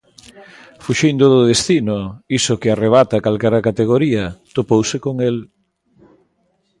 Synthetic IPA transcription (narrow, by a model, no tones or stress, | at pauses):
fuʃind̪oðʊðest̪inoisokɪareβ̞at̪akalkɛɾakat̪eɣ̞oɾiɐt̪opowsekoŋel